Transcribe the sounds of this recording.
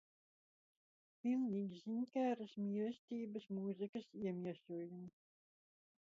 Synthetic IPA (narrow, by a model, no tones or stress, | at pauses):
pʲilˠnʲiːɡʲisiɲkæːɾɐsmiɛlsʲt̪ʲiːbɐsmuzikɐsiɛmʲiɛsuɔjum